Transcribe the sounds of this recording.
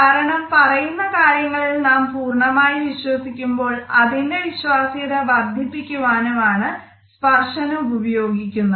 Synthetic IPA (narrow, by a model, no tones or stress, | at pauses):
aːɾɐɳɐmpɐrɐjunːɐkaːɾjɐŋːɐɭilnaːmpuːrɳɐmaːjiʋiɕwɐsikʲːumbo̞ːɭɐðinde̞ʋiɕwaːsijɐðɐbɐd̪ʱjipːikʲːuʋaːnumaːɳɨ | spɐrʂɐnuubɐubɐjo̞ːɡikʲːunːu